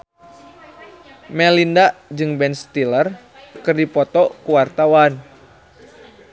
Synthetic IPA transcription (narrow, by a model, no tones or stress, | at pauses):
mɛlindaʔd͡ʒɨŋbɛnst̪ilər | kɨrdipɔt̪ɔkuwart̪awan